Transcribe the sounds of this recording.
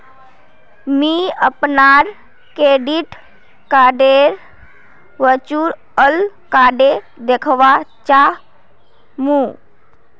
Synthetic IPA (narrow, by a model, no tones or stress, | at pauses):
miəpnaːɾ | keːɖiʈ | kaːɖeɾ | ʋət͡ʃuɾ | əlkaːɖe | d̪ekʰʋat͡ʃa | mũ